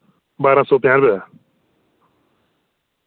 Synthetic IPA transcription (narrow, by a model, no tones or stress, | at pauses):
baːɾãːsɔːp̪jãːnbɛ